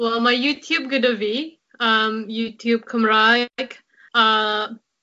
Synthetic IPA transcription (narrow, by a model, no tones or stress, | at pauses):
wɛlˠmaɪjʉtʰjʉb̚ɡʊdəvi | ʌ̃mjʉtʰjʉb̚kʰʌ̃mɹaɪk | ʌ